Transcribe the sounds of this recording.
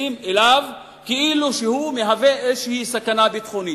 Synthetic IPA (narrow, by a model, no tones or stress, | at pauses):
imelav | keʔiluʃehumeɦaveʔeʃehisakanabit̪χoni